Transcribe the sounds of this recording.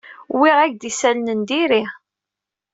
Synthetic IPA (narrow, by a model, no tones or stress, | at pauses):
wiʁæʝd̪isælnənd̪iɾi